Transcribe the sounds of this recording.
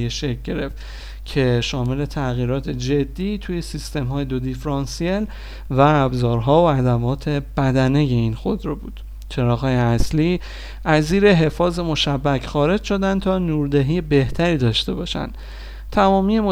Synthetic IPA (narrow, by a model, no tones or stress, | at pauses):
jeʃeɟe̞ɾe̞ft̪ | cʰe̞ʃɒːme̞le̞t̪ʰæɣiːɾɒːt̪ʰe̞d͡ʒe̞d̪ːiːt̪ʰuːje̞sist̪e̞mɦɒːjed̪od̪ifɾɒnsiel | væːbzɒːɾɦɒːoæd̪æmɒːt̪ʰe̞b̥æd̪æneje̞iːnxo̞d̪ɾobuːd̪̥ | t͡ʃʰe̞ɾɒːɣɒːjeæsliː | ʔæziːɾe̞ɦe̞fɒːze̞mo̞ʃæbːæcxɒːɾe̞d͡ʒʃo̞d̪ænd̪̚t̪ʰɒːnuːɾd̪eɦiːjebe̞ht̪ʰæɾiːd̪ɒːʃt̪e̞bɒːʃæ̰nd̪̥ | t̪ʰæmɒːmiːjemo